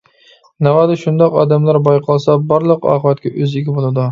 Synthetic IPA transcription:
navɑd̪ɪʃʊnd̪ɒqɒ̰d̪amlaɾbɒjqʰɒlˠsabɒɾlˠɨqɒ̰ːqʰɨvat̪̚kʲaʔɵzɪɡʲɪbolˠad̪ʊ

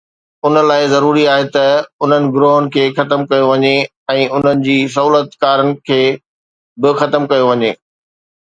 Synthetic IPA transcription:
ʊnə̆laːɪzɐɾuːɾiaːɦet̪ɐʊn̤ənɪ̆ɡʊɾoːɦənɪ̆kʰeːxɐt̪əmkɐjoʋɐɲe | ɛ̃ːʊn̤ənɪ̆d͡ʑiːs̬ɐɦuːlət̪kaːɾənɪ̆kʰeː | bɪxɐt̪əmkɐjoʋɐɲeː

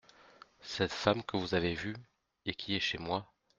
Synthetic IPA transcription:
sɛt̪famkəvuzavevy | ekʲʰiɛʃemwa

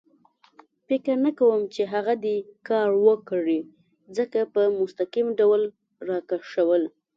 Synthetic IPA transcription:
pɪkəɾnakawəmt͡ʃeɦaɣad̪ekɑɾwəkɽi | d͡zəkapəmʊst̪akimɖawl | ɾɑkaʃawəl

